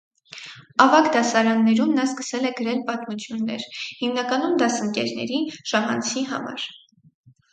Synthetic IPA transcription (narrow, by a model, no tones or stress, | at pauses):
ɑvɑkd̪ɑsɑɾɑnːɛɾumnɑskə̥sɛlɛɡəɾɛlpɑt̪mut͡sʰjunːɛ̰ɾhimnɑkɑnumd̪ɑsəŋkɛɾnɛ̰ɾiʃɑɦɑ̰nt͡sʰiɦɑ̰mɑ̰ɾ